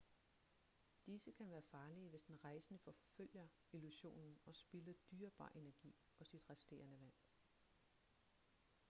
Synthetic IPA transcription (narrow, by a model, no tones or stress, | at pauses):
d̥isəkʰænʋæːɐfɑ̈ːliəʋe̝sd̥enʁɑ̈ɪsənəfɒ̽føl̰jɐ | iluɕo̝̰ːnn̩ɒ̽sb̥iləd̥yːɐb̥ɑ̰̈ːʔe̝næɐɡ̥ḭː | ɒ̽sid̥ʁasd̥e̝̰ːɐnəʋæn̰